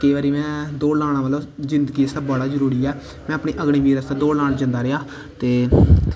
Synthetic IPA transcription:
keːʋaːɾiːmɛ̃ːd̪oːɽlaːɽ̃ãːʋəːlõːzɪ̃nd̪əɡiːɪsd̪aːbɔːɽaːzəɾuːɾiːɛː | mɛ̃ːəpɳiːʔəɡɳ̃iːʋiːɾəsd̪ad̪oːɽlaːɳd͡ʒãːnd̪aːɾɪaː | t̪eː

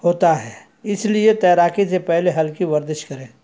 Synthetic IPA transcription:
ɦoːt̪aɦɛː | ɪsliet̪ɛːɾaːkisepɛɦleɦɐlkiʋɐɾd̪ɪʃkɐɾẽː

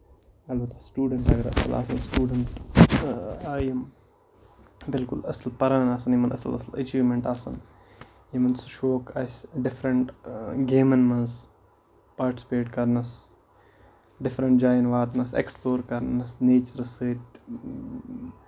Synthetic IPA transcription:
ɐlbɐt̪asʈuːɖɐɳʈɐɡɐɾɐ̰sɐ̰lʔa̰ːsɐnsʈuːɖɐɳʈ | jɐm | bɪlkulɐsɐlpɐɾaːnaːsɐnjimɐnʔɐ̰sɐ̰lɐ̰sɐlɐ̰t͡ʃiːʋmeɳʈaːsɐ̰n | jimɐnsuʃoːkʰasɖɪfʰɾɐɳʈɡeːmɐnmɐns | paːɾʈi̥sʲpeːʈkɐɾnɐs | ɖɪfɾɐɳʈd͡ʒaːjɐnʋaːt̪nɐsḛksploːɾkɐɾnɐsneːt͡ʃɐɾɐsɨːt̪

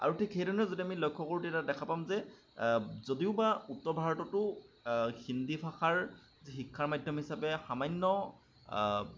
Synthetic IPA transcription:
a̰ɹutʰikʰejdɔnɛzodiamilojkʰːɔkoɹutiɛtadɛkʰapamzɛ | zodiʊbautːɔɹbʱaɹɔtɔtʊ | xindipʰaxaɹ | zixikʰːaɹmajdʱjɔmɔɦisapɛxamaɲːɔ

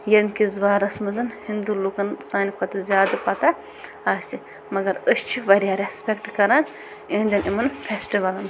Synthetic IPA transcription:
jɐmkizʋaːɾɐsmɐzɐnhind̪ulukɐnsaːnikʰɐt̪ɨzʲjaːd̪ɐpɐt̪a | aːsi | mɐɡɐɾəst͡ʃʰiʋɐɾijaːɾespʲekʈkɐɾan | ẽnd̪ʲɐnʔimɐnfʰesʈiʋɐlɐn

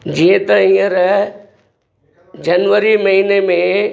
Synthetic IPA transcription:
d͡ʑiẽt̪ɐĩə̃ɾɐ | d͡ʑɐnʋəɾimɐɦiːnemẽ

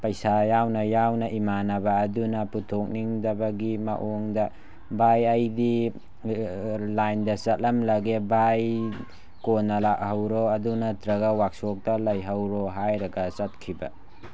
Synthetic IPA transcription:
pɐjsajawnɐjawnɐʔimanɐbɐːdunɐputʰok̚niŋdɐbɐɡimɐ̰ʔoŋdɐ | bajɐjdi | lajndɐsɐt̚lɐmlɐɡebaj | konːɐlak̚hɐwɾoɐdunɐtɾɐɡɐwak̚sok̚tɐlɐjɦɐwɾoɦajɾɐɡɐsɐt̚kʰibɐ̰

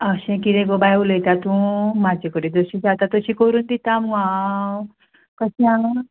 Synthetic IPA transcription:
əɕẽkiɾẽɡobajulet̪at̪ũmad͡ʑekəɽĩd̪oɕĩd͡zat̪at̪əɕĩːkoɾuːnd̪it̪ãmuã | kəɕiaŋ

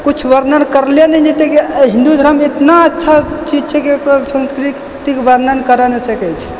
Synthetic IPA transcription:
kut͡ʃʰʋəɾnənkəɾlenɛd͡ʒet̪ɛkeɦĩnd̪ud̪ʱɾəmet̪naətːʃʰat͡ʃid͡ʒt͡ʃʰɛkekɾosə̃nskɾi | t̪ikʋəɾnənkəɾənɛsəkɛt͡ʃʰɛ̥

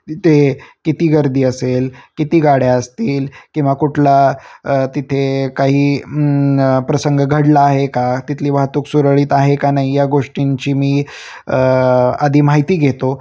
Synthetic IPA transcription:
t̪ekit̪iːɡəɾd̪ʱiːəselkit̪iːɡaɽjaəst̪iːlkĩw̃ʋakuʈʰla | t̪it̪ʰekaɦiː | pɾəsəŋɡɡʱəɽlaːɦekat̪it̪ʰliːʋaɦt̪uksuɾəɭiːt̪aɦekanaɦijaɡoʂʈiɲt͡ɕiːmiː | ad̪ʱiːmaɦit̪iːɡʱet̪o

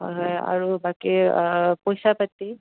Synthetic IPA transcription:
ɦɔjɦɔja̰ɹubakipɔjsapatːi

